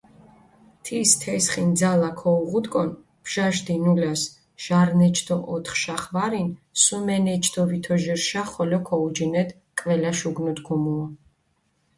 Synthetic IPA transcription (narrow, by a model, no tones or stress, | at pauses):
t̪ʰist̪ʰɛsχind̪zalakʰɔuʁud̪kʼɔn | b̥ʒ̥aʃd̪inulas | ʒ̥aɾnɛt͡ʃʰd̪ʰɔʔɔt̪ʰχʃaχvaɾinsumɛnɛt͡ʃʰd̪ʰɔvit̪ʰɔʒɛɾʃaχɔlɔkʰɔud͡ʒinɛd̪ | kʼvɛlaʃuɡnut̪ɡʰumuɔ